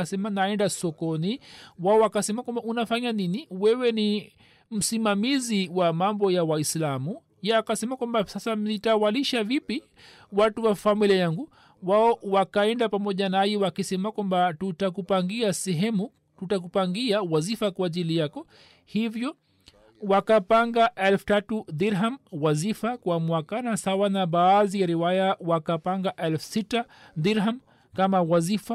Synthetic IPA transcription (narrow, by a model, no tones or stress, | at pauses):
sɛmanaɛndasɔkɔniwaɔwakasɛmakwambaunafaɲaniniwɛwɛni | m̩simamiziwamambɔjawaislamu | jaːkasɛmakwambasasanitawaliʃavipi | watuwafamiliajaŋɡu | waɔwakaɛndapamɔʄanajiwakisɛmakwambatutakupaŋɡiasɛɦɛmu | tutak̬upaŋɡiawazifakwaːʄilijakɔ | hivjɔ | wakapaŋɡaʔɛlfu̥tatuðiɾɦamwazifakwamwakanasawanaɓaːzijaɾiwajawakapaŋɡaʔɛlfu̥sita | ðiɾɦam | kamawazifa